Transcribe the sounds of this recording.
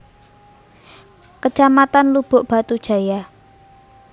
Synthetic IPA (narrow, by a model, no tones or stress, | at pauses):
kət͡ʃamat̪anlub̥ʊ̤ʔb̥a̤t̪ud̥ʒ̥a̤ja